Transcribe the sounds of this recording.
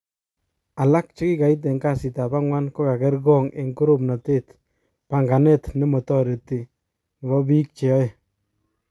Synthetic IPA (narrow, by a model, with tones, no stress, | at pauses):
a˨la˦k̚t͡ʃe˦ki˦ka˨i˦t̬e˨ŋka˦˨si˨ta˨ba˦ŋwa˦nko˦ka˨kɛ˦ɾɡɔ˦˨ŋe˨ŋko˦ɾo˦˨pna˨te˦t | pa˨ŋɡa˨nɛ˦tne˦mɔ˨tɔ˦˨ɾe˨ti˨ | ŋ˨ɡɔ˦bi˦k̚t͡ʃe˨ɔ˦e˨